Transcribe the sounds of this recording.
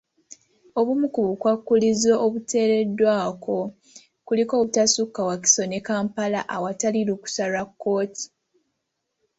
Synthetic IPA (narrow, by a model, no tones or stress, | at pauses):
o̞βumukuβukwakːulizo̞ːβute̞ːɾe̞dːwaːkʰo̞ | kuliko̞ːutasukːawak̬i̥so̞ne̞kaːmpalaʔawataliluku̥salakːo̞ːti̥